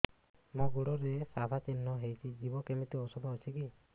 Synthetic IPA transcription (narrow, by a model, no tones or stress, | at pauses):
moɡuɽɔɾesabʱat͡ʃinːɔɦejt͡ʃʰid͡ʒibɔkemit̪iɔsɔbʱɔːt͡ʃʰiki